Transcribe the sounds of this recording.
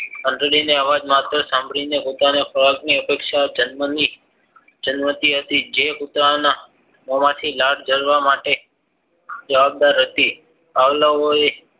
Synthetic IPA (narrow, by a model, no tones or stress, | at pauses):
ənɖ̪ɾəɽineaʋad͡ʒmat̪ɾəsãmbʱɭinekut̪anefʰəɭakniəpekʃad͡ʒənməni | d͡ʒənmət̪iɦət̪id͡ʒekut̪ɾana | mɔmat̪ʰilaɽd͡ʒəlʋamaʈe | d͡ʒəʋab̚d̪aɾɦət̪i | aʋlaoe